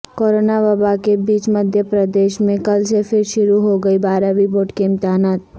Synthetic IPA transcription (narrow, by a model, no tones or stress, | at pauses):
koːɾoːnaʋɐbakebiːt͡ʃmɐd̪ʱjəpɾɐd̪eːʃmẽkɐlsepʰɪɾʃʊɾuɦoɡɐibaːɾaʋiboːʈkiɪ̃mt̪ɪaːnaːt̪̚